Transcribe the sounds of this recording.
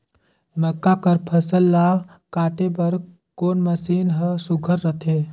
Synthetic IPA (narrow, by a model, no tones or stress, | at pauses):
məkːakəɾpʰəsəlːaːɡ | kaːʈebəɾ | koːnməsiːnɦəsuɡʱəɾːət̪ʰe